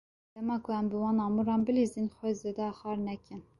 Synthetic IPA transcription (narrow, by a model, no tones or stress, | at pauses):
d̪̥ɛmɑːkʰʊɛmbɨwɑːnɑːmuɾɑːnbɨlizinxʷɛzed̪ɛxɑːɾnɛkɪn